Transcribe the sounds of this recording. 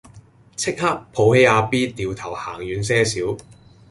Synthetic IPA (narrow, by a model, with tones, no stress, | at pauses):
t͡sʰɪ˥k̚ha˥k̚pʰo˨˧whe˨˥aː˧piː˥t̪iː˨wt̪ʰɐ˨˩wha̰ː˨˩ŋjyː˨˧nsɛː˥siː˨˥w